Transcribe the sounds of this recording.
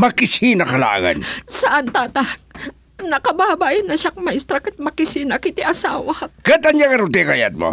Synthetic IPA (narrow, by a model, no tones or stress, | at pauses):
mɐkɪsinɐkɐla̰ːɡa̰nsɐʔant̪aːt̪a | nɐkɐbaːbaːjɐnɐʃakmɐst̪ɾɐkɐt̪̚mɐkɪsinɐkɪt̪ɪʔɐsaːwɐkat̪aɲjaŋɐɾʊt̪̬ɛkaja̰d̪̚mo̰